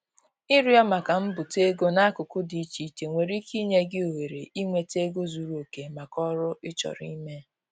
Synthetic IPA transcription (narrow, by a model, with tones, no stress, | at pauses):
i˦ɾi˦ɔ˦ma˨ka˨m̩˦bʊ˨te˦ɡo˦na˦a˦kʊ˨kʊ˦di˨˦t͡ʃi˨t͡ʃe˨ŋʷe˨ɾi˦ki˦ɲe˦ɡɪ˦o˨we˨ɾḛ˨ʔi˦ŋʷe˨te˦ɡo˦zu˨ɾu˦o˨ke˨ma˨kɔ˦ɾʊ˦ɪ˦t͡ʃɔ̰˨ɾḭ˦me˦